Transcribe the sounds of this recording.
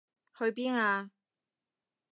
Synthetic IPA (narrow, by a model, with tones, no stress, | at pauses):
hɵ˧ɥp̬iː˥naː˧